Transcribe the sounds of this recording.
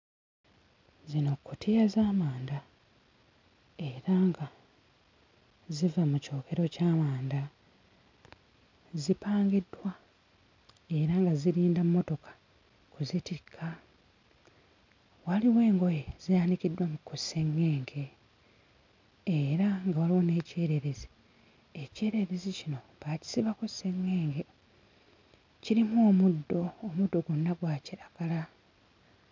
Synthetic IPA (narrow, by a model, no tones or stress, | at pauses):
zino̞kːutʰijazaːmaːnda | e̞ɾaŋɡa | zivamuco̞ːke̞ɾo̞caːmaːnda | zipaːŋɡidːwa | e̞ɾaŋɡaziɾiːndammːo̞to̞kḁ | kuzitikʰːa | waliwe̞ːŋɡo̞jezijaːndicidːwamukose̞ŋːeːŋɡe̞ | eɾaŋɡawaliwo̞ne̞ːceːɾe̞ɾezi | ece̞ːɾe̞ɾezicino̞ | βaci̥siβakose̞ŋːe̞ːŋɡe̞ | ciɾimoːmudːo̞ːmudːo̞ɡunːaɡwaːciɾaɡ̥ala